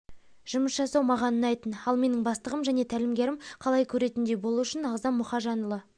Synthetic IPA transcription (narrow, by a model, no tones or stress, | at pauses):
ʒ̥ʊməsʒɑsɑwmɑʁɑnənɑjt̪ənɑlˠme̞nɪŋbɑst̪əʁəmʒæne̞t̪ʰælɪmɡʲe̞ɾɪmqʰɑlˠɑjkʲʰɵɾe̞t̪ɪnd̪e̞bo̞lˠuʊʃɪnɑʁzɑnmʊχɑʒɑnəlˠə